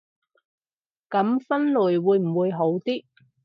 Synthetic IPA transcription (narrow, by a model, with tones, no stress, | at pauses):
kɐ˨˥mfɐ˥nluː˨˩jwuː˨˧jm̩˨˩wuː˨˧jɦo˨˥wt̪iː˥